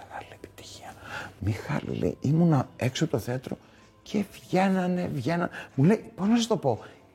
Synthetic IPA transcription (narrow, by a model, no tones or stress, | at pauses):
eɣɐliepi̥t̪i̥çi̥ɐmixɐ̰lḭlḛiʔimunɐe̞ksot̪oθeɐt̪ɾo̞̰ | cʰe̞vʝe̞nɐne̞vʝe̞nɐnmule̞ipo̞znɐsɐst̪o̞po̞